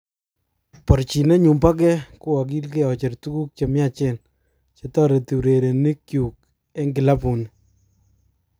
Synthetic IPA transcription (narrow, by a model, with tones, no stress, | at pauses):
pɔ˨ɾt͡ʃi˨ne˦ɲu˨mba˦k̬ɛ˦ku˦wa˨k̬i˦lk̬e˦˨ɔ˨t͡ʃe˨rtu˦ku˦k̚t͡ʃe˨mja˦t͡ʃe˦˨n | t͡ʃe˨tɔ˦ɾe˨ti˨ɾe˨ɾe˨ni˦kju˨k | e˦ŋɡɪ˨la˦pu˨n